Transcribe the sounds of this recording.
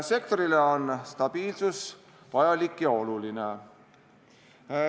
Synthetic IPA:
se̞kt̪o̞ɾileonst̪ɑb̥iːlsus | vɑjɑlikːjɑo̞luline

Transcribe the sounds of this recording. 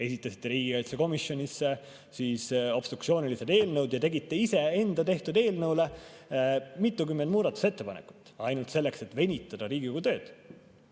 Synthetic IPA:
e̞sit̪ˑːɑsi̥t̪ːˑeɾiːɡ̥ikɑjt̪seko̞misjo̞nʲisːe | siːso̞b̥st̪ru̥kt̪sio̞ːnʲilised̪e̞ːlnɤwd̪̥jɑt̪e̞ɡit̪ːe̞ise̞e̞nd̪ɑt̪e̞ht̪ud̪e̞ːlnɤwle | mit̪ːukymːend̪̥muːd̪ɑt̪ːˑu̥se̞t̪ːe̞pɑnḛkˑu̥t̪ːˑɑjnult̪se̞lːe̞kse̞t̪ːˑve̞nʲit̪ːˑɑd̪̥ɑɾiːɡiko̞ɡ̥ut̪ø̞ːd̪̥

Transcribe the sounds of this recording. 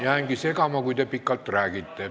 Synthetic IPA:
jɑæŋkisekɑmɑkuit̪epikːɑlt̪t̪ræːkit̪ːe

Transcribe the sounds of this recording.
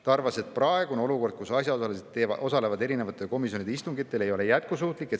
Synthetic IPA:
t̪ɑɑrvɑse̞t̪̚prɑeɡuneo̞luko̞rd̪̥kusɑsjɑoɑlised̪eo̞sɑle̞vɑd̪e̞ɾine̞vɑt̪ːˑe̞lko̞misjo̞nid̪eist̪uŋɡit̪ːˑe̞lejo̞lejæt̪̚kusuːt̪ˑlikːˑe̞t̪

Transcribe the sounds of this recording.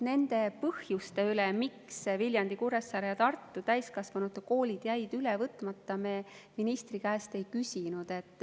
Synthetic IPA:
ne̞nd̪̥e̞pɤhjust̪e̞ylɛmiksvilʲjɑnd̪ikuɾesːɑɾejɑt̪ɑrt̪ːut̪æjskɑsvɑnut̪ːˑeko̞ːlʲid̪̥jæjd̪̥ylevɤt̪ːˑmɑt̪ːɑmeː | minist̪rikæest̪e̞jkysʲinud̪̥e̞t̪ːˑ

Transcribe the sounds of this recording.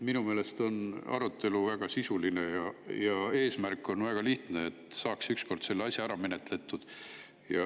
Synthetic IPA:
minumeːle̞st̪o̞nɑ̰ɾut̪ːˑe̞luvæɡ̥ɑsisuline̞jɑjɑe̞ːsmærkːˑo̞nvæɡ̥ɑliht̪neːt̪ːˑsɑːksyksko̞rd̪̥se̞lːeɑsʲjɑæɾɑme̞ne̞t̪ˑle̞t̪ːˑud̪̥ | jɑ

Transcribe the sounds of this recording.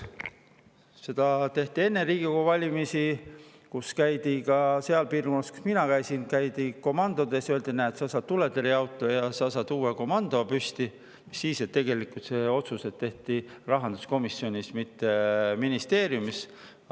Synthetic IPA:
se̞d̪̥ɑt̪e̞ht̪ie̞nːeriːɡ̥ikovɑlʲimisi | kuskæjd̪̥ikɑse̞ɑlpiːrkonːɑsku̥sminɑkæjsinkæjd̪iko̞mɑnd̪̥o̞d̪esøld̪inæːt̪sɑsɑd̪̚t̪uled̪eɾiɑwt̪ːˑo̞jɑsɑsɑd̪uːeko̞mɑnd̪̥o̞pysʲt̪i | misːiːset̪ːeɡe̞likult̪se̞ːo̞t̪suse̞t̪ːe̞ht̪irɑɦɑnd̪̥u̥sko̞misːjo̞nʲismit̪ːeminist̪e̞ːɾjumis

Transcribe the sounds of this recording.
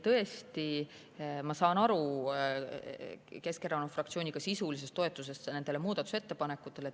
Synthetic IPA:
t̪ɤ̞est̪i | mɑsɑːnɑɾu | ke̞skeɾɑnufrɑkt̪sio̞ːnʲiɡ̥ɑsisulis̬e̞st̪ːo̞et̪ːˑus̬e̞st̪ne̞nd̪̥e̞le̞muːd̪̥ɑt̪ːˑu̥set̪ːe̞pɑne̞kːˑut̪ːˑe̞le

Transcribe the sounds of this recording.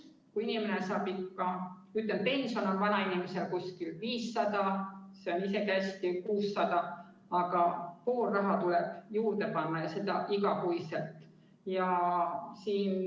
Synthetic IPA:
kuinimenesɑːbikːɑ | yt̪ˑːen̚pe̞nsono̞nvɑnɑinimese̞lkuskilviːsːɑd̪̥ɑse̞o̞nise̞kæsʲt̪ikuːsːɑd̪̥ɑ | ɑɡ̥ɑpoːrːɑɦɑt̪ulɛb̥juːɾd̪̥epɑnːɑjɑse̞d̪ɑʔiɡ̥ɑkujselt̪ˑ | jɑ | siːn

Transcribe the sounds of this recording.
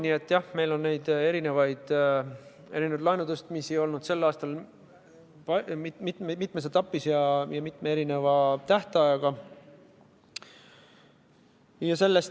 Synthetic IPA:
niet̪ːˑjɑhme̞jlo̞nːe̞jd̪̥e̞ɾine̞vɑjd̪̥ | e̞ɾinevɑd̪lɑjnud̪ust̪mise̞jo̞lnud̪̥se̞lːɑːst̪ɑl | pɑmit̪mit̪ːˑmeset̪ːɑpːˑisjɑjɑmit̪ːˑmeeɾine̞vɑt̪æht̪eɑjɑɡ̥ɑ | jɑse̞lːe̞s

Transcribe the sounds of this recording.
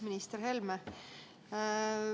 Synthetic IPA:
minist̪erɦelme

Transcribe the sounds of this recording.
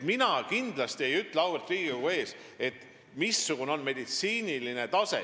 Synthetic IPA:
minɑkind̪̥lɑst̪ie̞jyt̪ːˑleɑwelt̪ˑriːɡ̥ikuɡue̞ːs | e̞t̪ˑ | misːuɡ̥uneo̞nme̞d̪it̪siːnʲiline̞t̪ɑse̞̰

